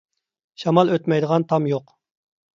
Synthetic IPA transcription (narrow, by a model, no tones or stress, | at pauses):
ʃɑmɑlˠøt̪mɛjd̪əʁɑnt̪ʰɑmjoq